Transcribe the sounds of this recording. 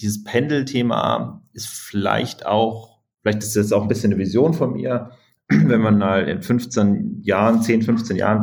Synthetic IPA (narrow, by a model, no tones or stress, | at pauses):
d̥iːzəspʰɛndl̩tʰeːma̰ʔɪstfɪla̰ɪçta̰ʊx | fɪlaɪçtɪstɛsaʊxn̩bɪsçənːəvizjoːnfɔnmḭːɐ | vɛnmanmaːlɪ̰nfʏnft͡senjaːʁənt͡seːnfʏnft͡seːnja̰ːʁən